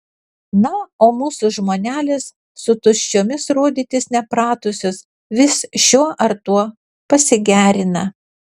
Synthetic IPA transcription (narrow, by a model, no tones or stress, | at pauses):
nɐoːmuːsʊʒmoːnʲæːlʲɪsː | ʊt̪ʊʃʲt͡ʃʲoːmʲɪsɾoːd̪ʲiːt̪ʲɪsnʲɛpɾɑːt̪ʊsʲʊs | ʋʲɪsʃʲuɔʔɐɾt̪uɔ | pɐsʲɪɡʲæːɾʲɪnɐ